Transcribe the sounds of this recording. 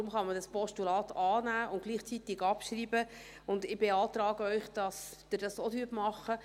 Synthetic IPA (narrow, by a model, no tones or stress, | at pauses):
ʊmχɑmədɑspɔʃtulɑːtʰɑːnæːʔʊntɡ̥liːχt͡sit̪ɪɡɑpʃriːbə | ʊndɪb̥eɑːtrɑːɡəœʏχd̥ɑsd̥ədɑsodyːpmɑχə